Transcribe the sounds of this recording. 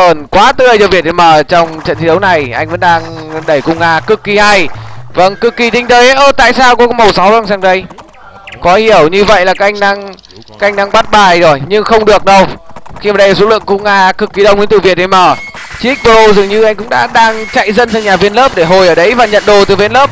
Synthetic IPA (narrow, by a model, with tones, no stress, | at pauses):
əː˧˩nkwaː˨˦t̪ɨ˧˩ʔə˧jzəː˧˩vi˨˩ət̚ɗə˨˩məː˨˩t͡ɕɔ˧wŋ͡mt͡ɕə̰˧˨nt̪i˨˦zə˨˦wna˨˩jʔa˧jŋ̟və̰˧˥nɗaː˧ŋɗə˧˩jkʊ̰˧˩ŋ͡mŋaː˧kɨ˨˩kːi˨˩haː˧jvə˧ŋkɨ˨˩kːi˨˩t̪ï˧ŋ̟t̪ə˨˦jʔəː˧˩t̪a̰ː˧˨jsaː˧wkɔ˨˦kɔ˨˦mə˨˩wsa˨˦wza˧ŋsaː˧ŋɗə˧j | kɔ˨˦hi˧˩əwɲɨ˧və̰˧˨jlaː˨˩kaː˨˦˥ʔa˧jŋ̟ɗaː˧ŋ˧˦˥ | ʔa˧jŋ̟ɗaː˧ŋɓa˦˥t̚ɓaː˨˩jzo˨˩jɲɨ˧ŋxə˧wŋ͡mɗɨ˨˩ək̚ɗə˧wxi˧maː˨˩ɗə˧jlaː˨˩so̰˧˥lɨ̰˧˨əŋkʊ̰˧˨ŋ͡mŋaː˧kɨ˨˩kːi˨˩ɗə˧ŋ͡mkwt̪ɨ̰˧˩vi˨˩ət̚ɗe˧˩jməː˧˩ | t͡ɕi˧˦˥k̚ɓə˧o˧zɨ˨˩əŋɲɨ˧ʔa˧ŋkʊ̰˧˥ŋ͡mɗa̰ː˧˥ɗaː˧ŋt͡ɕa̰˧˨jzə˧nsa˧ɲaː˨˩vi˧ənləː˦˥p̚ɗe˧˩ɦo˨˩jʔəː˧˩ɗə˨˦jvaː˨˩ɲə̰˧˨nɗo˨˩t̪ɨ˨˩vi˧ənləː˦˥p̚